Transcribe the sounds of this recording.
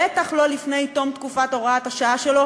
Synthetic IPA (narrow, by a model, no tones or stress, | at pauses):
et̪aχlo̞lifne̞jt̪o̞mt̪kufat̪o̞ʁaat̪haʃaaʃelo̞